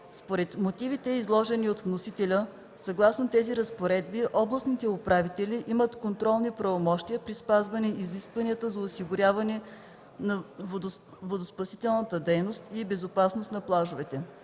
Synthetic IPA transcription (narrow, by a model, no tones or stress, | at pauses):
spoɾɛt̪mot̪ivit̪ɛizlˠɔʒɛniot̪vnosit̪ɛlʲə | sɐɡlˠasnot̪ɛziɾəspoɾɛd̪̚biʔɔblˠəsnit̪ɛʊpɾavit̪ɛlʲiʔimət̪kont̪ɾɔlˠnipɾɐvomɔʃt̪iəpɾispazvɐnɛiziskvɐniət̪əzɐosiɡʊɾʲavɐnɛ | nɐ | vod̪ospɐsit̪ɛlˠnət̪əd̪ɛjnost̪ibɛzopasnost̪nɐplˠaʒʊvɛt̪ɛ